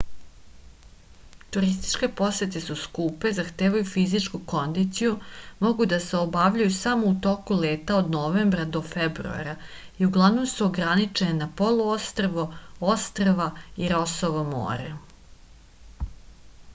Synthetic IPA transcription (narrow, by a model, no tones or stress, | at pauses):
t̪uɾist̪i̥t͡ʃke̞po̞set̪̬e̞suskuːpe̞zaxt̪eːʋajufizit͡ʃkuko̞nd̪it̪sijumo̞ɡud̪ase̞obaʋʎajusamout̪o̞kuleːt̪aod̪noʋe̞mbɾad̪o̞febɾṵa̰ɾa | iuɡlˠaʋnomsuoɡɾanit͡ʂe̞nenapo̞loost̪ɾaʋoost̪ɾaʋaiɾo̞soʋamo̰ːɾe